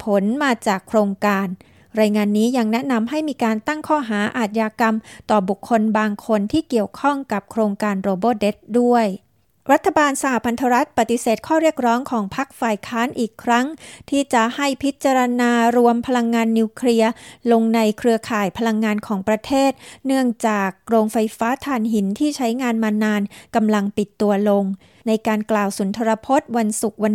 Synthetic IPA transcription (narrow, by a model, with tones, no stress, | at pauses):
pʰo˩˦nmaː˧t͡ɕaː˨˩kʰɾoː˧ŋkaː˧n | ɾaː˧jŋaː˧nːiː˦˥ja˧ŋnɛ˦˥ʔna˧mɦa˥˩jmiː˧kaː˧nt̪a˥˩ŋkʰɔː˥˩ɦaː˩˦ʔaː˨˩t̪̚jaː˧ka˧mt̪ɔː˨˩bu˨˩kʰːo˧nbaː˧ŋkʰo˧nt̪ʰiː˥˩ki˨˩əwkʰɔ˥˩ŋka˨˩p̚kʰɾoː˧ŋkaː˧nɾoː˧boː˥˩de˦˥t̪̚du˥˩əj | ɾa˦˥t̪ʰːa˧baː˧nsa˧ha˨˩pʰa˧nt̪ʰa˧ɾa˦˥t̪̚pa˨˩t̪i˨˩˦seː˨˩t̪̚kʰɔː˥˩ɾi˥˩ək̚ɾɔː˦˥ŋkʰɔː˩˦ŋpʰa˦˥k̚faː˧jkʰaː˦˥nʔiː˨˩kʰːɾa˦˥ŋt̪ʰiː˥˩t͡ɕa˨˩ha˥˩jpʰi˦˥t̪̚t͡ɕa˧ɾa˧naː˧ɾu˧əmpʰa˧la˧ŋːaː˧nːiː˧wkʰli˧ɐlo˧ŋna˧jkʰɾɯ˧əkʰaː˨˩jpʰa˧la˧ŋːaː˧nkʰɔː˩˦ŋpɾa˧t̪ʰeː˥˩t̪̚nɯ˥˩əŋt͡ɕaː˨˩k̚ɾoː˧ŋfa˧jfaː˦˥t̪ʰaː˧nɦi˩˦nt̪ʰiː˥˩t͡ɕʰa˦˥jŋaː˧nmaː˧naː˧nka˧mla˧ŋpi˨˩t̪ːu˧ɐlo˧ŋ | na˧jkaː˧nklaː˨˩wsu˩˦nt̪ʰa˧ɾa˧pʰo˦˥t̪̚wa˧nsu˨˩k̚wa˧n